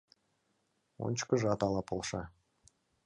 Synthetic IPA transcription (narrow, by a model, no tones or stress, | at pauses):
o̰nʲt͡ɕkəʒɑt̪ɑlˠɑpʰolˠʃɑ